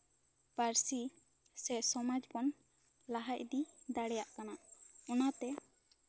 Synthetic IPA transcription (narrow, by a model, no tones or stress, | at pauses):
paɾsi | sɛsɔmad͡ʒbɔn | laɦac̚d̪id̪aɽɛjaʔkanaʔɔnat̪ɛ